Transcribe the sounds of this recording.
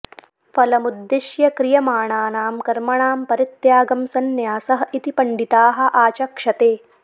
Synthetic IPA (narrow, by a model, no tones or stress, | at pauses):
fɐlɐmud̪ːiʃjɐkɾijɐmaːɳaːnaːmkɐɾmɐɳaːmpɐɾit̪jaːɡɐmsɐnjaːsɐɦɐit̪ipɐɳɖit̪aːɦɐ̆ʔaːt͡ʃɐkʂɐt̪eː